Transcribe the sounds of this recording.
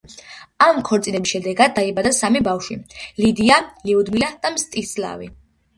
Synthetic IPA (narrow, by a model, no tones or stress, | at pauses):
amkʰɔɾt̪sʼinɛbisʃɛd̪ɛɡad̪̚ːaibad̪asamibafʃilid̪ialiud̪milad̪̥amst̪ʼisla̰vḭ